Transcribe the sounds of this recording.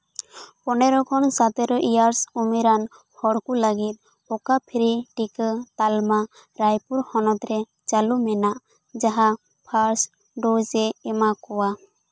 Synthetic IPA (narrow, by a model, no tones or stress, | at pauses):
pɔnɛɾɔkʰɔnsat̪ɛɾɔʔijaɾsumiɾan | hɔɽkuləɡit̪̚ | ɔkapʰiɾiʈikət̪alma | ɾajpuɾhɔnɔt̪ɾɛ | t͡ʃalumɛnaʔ | d͡ʒaɦa | pʰaɾs | ɖod͡ʒɛːmakɔwa